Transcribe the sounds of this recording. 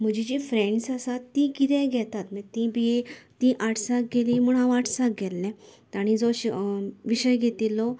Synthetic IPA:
m̤əd͡ʑid͡ʑifɾẽɳɖsasat̪ːĩkit̪ɛ̃ɡʱɛt̪at̪mət̪ĩbiet̪ĩʔaʈʰsak̚ɡelĩm̤uɽ̃ɦãʋaʈʰsak̚ɡʱɛlːɛ̃t̪aɽ̃id͡zɔɕʋiɕəjɡʱet̪ilɔ

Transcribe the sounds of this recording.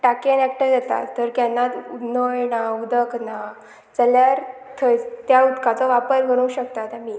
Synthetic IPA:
ʈakenɛk̚ʈəɾd͡ʑɛt̪a̰t̪ːəɾkɛnːat̪unəjnaud̪əkna | t͡səljaɾt̪ʰət̪jaut̪kat͡sɔʋapəɾɡʱəɽ̃uwɕək̚t̪at̪ãmiː

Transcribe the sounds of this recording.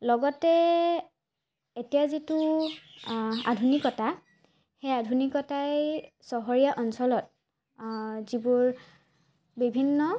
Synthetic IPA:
lɔɡɔtɛ | etijazitu | a̰dʱunikɔta | xejadʱunikɔtaj | sɔɦɔɹijaʔɔnsɔlɔt̚ | zibuɹ | bibʱinːɔ

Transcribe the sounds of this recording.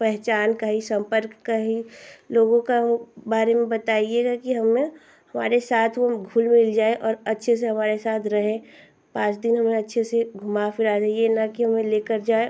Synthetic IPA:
pɛɦt͡ʃaːnkaɦisɐ̃mpəɾkːaɦiloːɡõkebaːɾemẽbɐt̪aːieɡakiɦɐmẽ | ɦɐma̰ːɾesaːt̪ʰʋoɡʱʊlmɪld͡ʒaːeʔɔːɾɐtːʃʰes̬eɦɐmaːɾesaːt̪ʰɾɐɦẽː | pãːt͡ʃd̪ɪnɦɐmẽɐtːʃʰeseɡʱʊmafɪɾad̪ɛijenɐkiɦɐmẽleːkəɾd͡ʒaːe

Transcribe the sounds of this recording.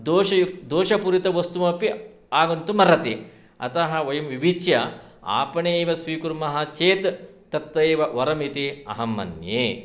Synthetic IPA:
d̪oːʃɐjud̪oːʃɐpuɾit̪ɐʋɐst̪umɐpi | aːɡunt̪umɐɾɐt̪e | ɐ̰t̪ɐɦɐʋɐjɐmʋibit͡ʃjɐ | a̰ːpɐɳeːʋɐsʋiːkuɾmɐɦɐt͡ʃeːt̪ː | ɐt̪ʋɐeːʋɐʋɐɾɐmit̪iɐ̰ɦɐmːɐ̰njḛː

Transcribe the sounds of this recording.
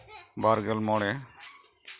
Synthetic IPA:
baɾɡɛlmɔɽɛ

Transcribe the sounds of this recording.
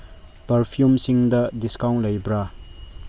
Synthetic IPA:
pɐɾpʰjumsiŋdɐdiskaw̃ntlɐjbɾa

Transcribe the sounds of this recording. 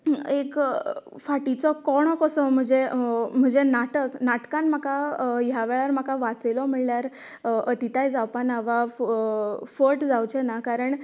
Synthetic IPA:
ek | faʈit͡sɔkɔɽ̃ɔkɔsɔm̤əd͡ʑem̤əd͡zenaʈəknaʈkãnm̤akajaʋeɭaɾm̤akaʋat͡selɔm̤əɭljaɾ | ət̪it̪ajd͡zawpanaʋa | fəʈd͡zawt͡ɕenakaɾəɳ

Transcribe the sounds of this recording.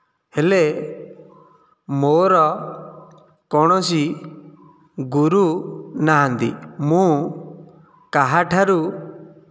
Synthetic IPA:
hele | moɾɔ | kɔɽ̃ɔsi | ɡuɾunaɦant̪ḭmũ | kaɦaʈʰaɾu

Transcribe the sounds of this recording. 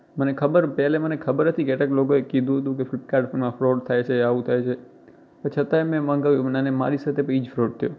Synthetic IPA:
mənekʰəbəɾpɛlemənekʰəbəɾɦət̪ʰikeʈaklokoekid̪ʱũɦət̪̬ũk̬eflɪp̚kaɾɖfəmãfɾoʈt̪ʰajt͡ʃʰeaʋũt̪ʰajt͡ʃʰe | ət͡ʃʰət̪aemɛ̃məŋɡaʋjoʋnanema̰ɾisat̪ʰepid͡ʒfɾoʈ̚t̪ʰəjo

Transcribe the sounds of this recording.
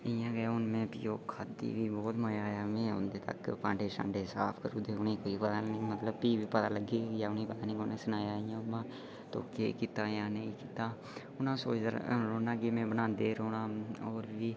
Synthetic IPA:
ɪjãːɡaʊnmẽːpiːoːkʰaːd̪ḭːbiːbɔːt̪məjaːamẽːɦʊnd̪eːt̪ə̰kːpãːɳɖeːsã̰ːɳɖeːsaːpʰkəɾuːd̪eːʊneːkoːipət̪aĩmət̪ləb̚piːbiːpət̪aːləɡiːjaːʊneːpət̪aːnĩːoːnẽːsʊnaːjaːɪjãːʊmãː | t̪o̰ːkeːkiːt̪aːjãːneĩkiːt̪aː | ʊnãːsoːə̰ɾɾoːnaːɡeːmẽːbənãːnd̪eːɾoːnaːɔːɾbiː

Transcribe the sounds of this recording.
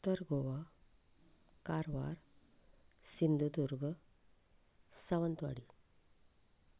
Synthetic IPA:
t̪əɾɡʱoʋa | kaɾʋa̰ɾ | sind̪ʱud̪uɾɡə | səʋənt̪ʋa̰ɽi

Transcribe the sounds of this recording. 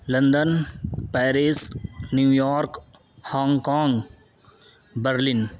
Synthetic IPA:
lɐ̃nd̪ənpɛːɾisnjuːjɔːɾk | hãːŋɡkãːŋɡ | bəɾlɪn

